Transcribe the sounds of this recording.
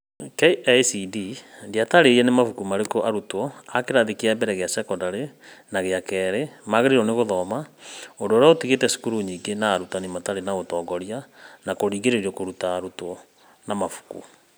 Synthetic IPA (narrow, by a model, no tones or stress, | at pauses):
keɛsidindiataɾeɾiɛnemafukumaɾekoʔaɾutɔakeɾaðikiaɛmbɛɾɛɣeasɛkɔndaɾenaɣeakɛːɾemaɣeɾiɾɔneɣoðɔmaondooɾeaotiɣetɛsu̥kuɾuɲiːɡenaːɾutanemataɾenaɣotɔːɡɔɾianakoɾiːɡeɾeɾiɔkoɾutaːɾutɔ | namafu̥kṵ